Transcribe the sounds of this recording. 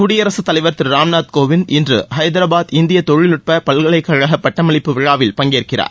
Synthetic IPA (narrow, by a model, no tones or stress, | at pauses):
kʊɽɪjɐɾɐsɯt̪ːɐlɐɪʋɐɾt̪ɪɾɾaːmnaːt̪koːʋɪnʔɪndrɯhɐɪd̪ɐɾaːbaːðɪnd̪ɪjɐt̪ɔɻɪlɯʈ̚pɐpɐlɣɐɭɐɪkːɐɻɐɣɐpːɐʈːɐmɐɭɪpːɯʋɪɻaːʋɪlpɐŋɡeːrkɪra̰ːɾ